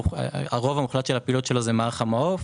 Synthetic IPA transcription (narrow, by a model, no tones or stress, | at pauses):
aʁo̞vamuχlat̪ʃelhapilot̪ʃe̞lozemaaʁχamaof